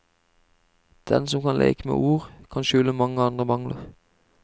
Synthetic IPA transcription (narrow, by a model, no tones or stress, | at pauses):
d̪̥ɛnsɔmkʰɑnlʔḛːkəmḛːʔuːʁkʰɑnʃʉləmɑŋəɑnd̪ʁəmɑŋləʁ